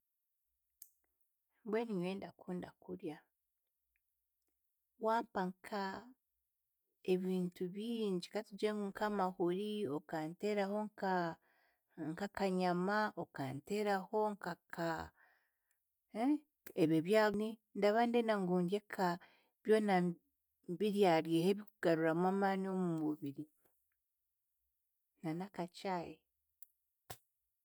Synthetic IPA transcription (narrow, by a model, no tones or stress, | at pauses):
bweniɲweːndakuːndakuɾja | waːmpaŋkʰa | e̞βiːntuβiːɲɟikatud͡ʒeːŋɡuŋkamahuɾiokanteːɾaho̞ŋa | ŋkakaɲamaʔokanteːɾaho̞ŋkakʰa | eβeβjaːnindaβandenaŋɡuːɲɟekʰa | βjo̞ːna | mbiɾjaɾjeheβikuɡ̥aɾuɾamwaːmaːnio̞mumuβiɾi | nanakat͡ʃaje